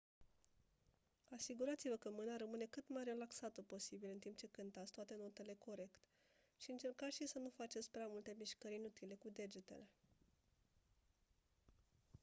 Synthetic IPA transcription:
asiɡuɾat̪sivəkəmɨnaɾəmɨne̞kɨt̪majre̞laksat̪əpo̞sibilɨnt̪imp̚t͡ʃe̞kɨnt̪at̪sʲt̪oat̪e̞no̞t̪e̞le̞ko̞ɾe̞kt̪ | ʃiɨnt͡ʃe̞rkaʃisənufat͡ʃe̞t̪sʲpɾeamult̪e̞miʃkəɾinut̪ile̞kud̪e̞d͡ʒet̪e̞̰le̞

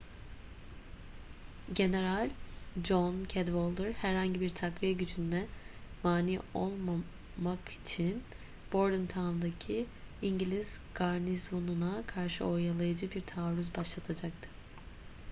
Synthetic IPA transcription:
ɟe̞ne̞ɾalʲd͡ʒoncʰɛd̪volˠd̪ɯɾhæɾhaɲɟibiɾt̪ʰakvijɛɟyd͡ʒynd̪ɛmaːniːo̞̰lˠma | makʰi̥t͡ʃʰin | b̥o̞ɾd̪ɯnt̪ʰanˠd̪acʰi | iɲɟilʲiz̥ɡ̥aɾnizonunakʰaɾʃɯ̰o̞jalˠajad͡ʒɯbiɾt̪ʰaːɾyzbaʃlˠat̪ʰad͡ʒak̚t̪ʰɯ̥

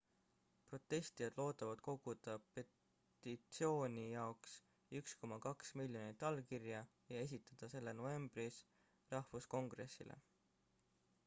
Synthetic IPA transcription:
pro̞t̪ːe̞st̪ijɑd̪̥lo̞ːt̪ːˑɑvɑd̪̥̚ko̞ɡ̥ud̪̥ɑpe̞ | t̪it̪sio̞ːnʲijɑoks | yksko̞mɑkɑksmilʲjo̞nit̪ːˑɑlkirjɑ | jɑe̞s̬ʲit̪ːˑɑd̪̥ɑse̞lːe̞no̞ve̞mb̥ɾis | rɑhfusko̞ŋɡ̥ɾe̞sːḭlʔḛ

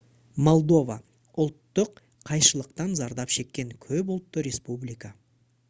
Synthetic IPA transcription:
mo̞lˠd̪o̞va | ʊlˠt̪ːʊqːʰ | ɑjʃəlˠəqt̪ɑnzɑɾd̪ɑpʃe̞kʲːe̞ŋkʲʰɵp̬ʊlˠt̪ːəɾe̞spublijka

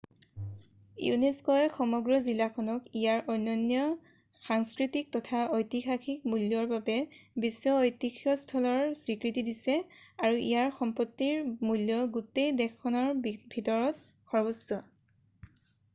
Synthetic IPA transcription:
jṵneskɔɛxɔmɔɡɹɔzilakʰɔnɔkijaɹʔɔjnːɔnjɔ | xaŋskɹitik̚tɔtʰaojtixaxʰik̚muljɔɹbabɛbisɔojtixʰiɔstʰɔlɔɹsɹikɹitidisɛaɹuʔḭjaɹxɔmpɔtːiɹmuljɔɡutejdɛkːɔnɔɹbʱitɔɹɔt | kʰɔɹbusɔ

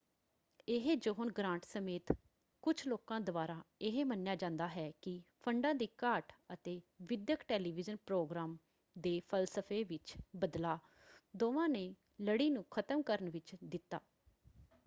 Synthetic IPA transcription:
ɪɦed͡ʒoːɦʊnɡɾãːɳʈsəmeːt̪ | kʊt͡ʃʰloːkãːd̪ʊʋaːɾaːɪɦeːmənːjaːd͡ʒãːnd̪aːɦɛːkɪpʰəɳɖãːd̪iːkaːʈət̪eːʋɪd̪jəkʈɛːliːʋɪd͡ʒənpɾoːɡɾaːm | d̪eːpʰəlsəpʰeːʋɪt͡ʃbəd̪laː | d̪oːʋãːneː | ləɽiːnũːkʰət̪əmkəɾənʋɪt͡ʃd̪ɪt̪ːa̰ː

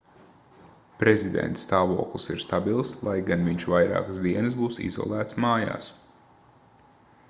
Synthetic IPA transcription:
pɾezid̪ɛ̰nt̪st̪aːvo̰ːklˠisiɾst̪abilˠslˠajɡanviɲʃvajɾa̰ːkəzd̪iɛnɨsbuːsḭzɔ̰lˠæːt̪smaːja̰ːs

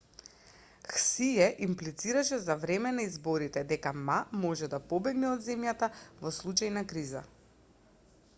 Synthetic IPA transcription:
xsiɛʔimplit̪siɾaʃɛzavɾɛmɛnaizbɔɾit̪ɛd̪ɛkamamɔʒɛd̪apɔbɛɡnɛɔd̪zɛmjat̪avɔslˠut͡ʃajnakɾiza

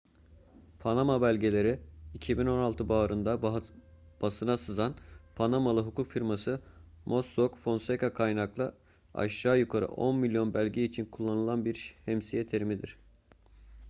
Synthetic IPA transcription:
pʰanamabælʲɟelʲe̞ɾiicʰibino̞nalˠt̪ʰɯbaːɾɯnd̪a | b̥asɯnasɯzanpʰanamalˠɯɦukukfiɾmasɯ | moskokfo̞nsekakʰajnaklˠɯ | a̰ʃaːjukʰaɾɯ̰ʔo̞̰nmilʲjo̞nbælʲɟɛit͡ʃʰinkʰulˠːanɯlˠanbiɾhɛmsijɛt̪ʰe̞ɾimid̪iɾ̝̥

